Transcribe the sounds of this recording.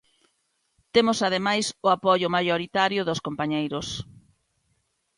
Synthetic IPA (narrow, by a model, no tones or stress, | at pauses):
t̪emʊsaðemajsʊapɔʎʊmajoɾit̪aɾjʊðʊskompaɲejɾʊs